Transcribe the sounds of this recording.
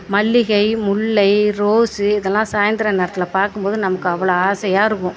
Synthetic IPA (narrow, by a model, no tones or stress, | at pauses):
mɐɭːɪɣɐɪmʊɭːɐɪɾoːsɯɪðɛlːãːsaːjɐnd̪ɪɾɐneːɾɐt̪ːɪlɐpaːɾkɯmpoːðɯnɐmɐkːɯɐʋːɐɭoaːsɐjaːɪɾɯkːʊ̃